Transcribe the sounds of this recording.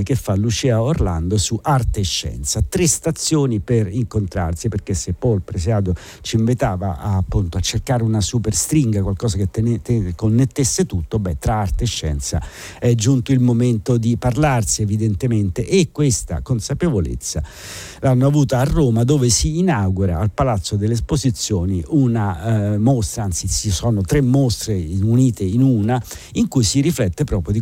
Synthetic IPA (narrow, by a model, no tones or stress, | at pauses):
k̟efːalut͡ʃɛaorla̰nd̪osuʔart̪eʃːɛ̰nt̪sat̪ɾest̪at̪sːjoːniperiŋkont̪ɾa̰rsiperk̟esːepːɔjlpɾes̬aːd̪o | t͡ʃiɱvit̪aːva̰ʔa̰ːpːunt̪oat͡ʃːerkaːɾeunasuperst̪ɾiŋɡakwalkɔːsaket̪konːet̪ːesːet̪ut̪ːobːɛt̪ɾaart̪eʃːɛ̰nt̪sa̰ | ɛd͡ʒunt̪oilmoment̪od̪iparlarsievid̪ent̪ement̪eʔekːwest̪a̰konsapevolḛt̪sːa̰ | lanːoavuːt̪aːrːoːmad̪oːvesiːnawɡuɾa̰ːlpalat̪sːod̪elːeːspozit̪sːjoːniʔunamost̪ɾaant̪sit͡ʃisɔːnot̪ɾemːost̪ɾeuniːt̪einuna | iŋkujsiɾiflɛt̪ːepɾɔːpɾjod̪i